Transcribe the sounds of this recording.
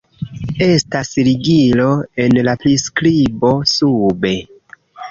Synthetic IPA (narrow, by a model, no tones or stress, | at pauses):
e̞stasɾiɡilo̞e̞nlapɾiskɾibo̞sube̞